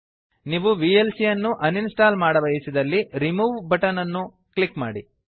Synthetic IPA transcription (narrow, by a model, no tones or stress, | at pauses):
niːʋuʋiːelsijɐnːuʔɐninsʈaːlmaːɽɐʋɐjisid̪ɐlːiɾimuːʋbʱɐʈɐnɐnːu | klikma̰ːɽi